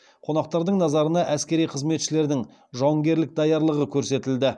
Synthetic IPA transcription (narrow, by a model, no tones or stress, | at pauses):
qʰo̞nɑq̚t̪ɑɾd̪əɴnɑzɑɾənɑʔæskʲe̞ɾijqʰəzme̞t̪ʃɪle̞ɾd̪ɪŋ | ʒɑŋɡʲe̞ɾlɪk̚d̪ɑjɑɾlˠəʁəkʲʰɵɾse̞t̪ɪld̪ɪ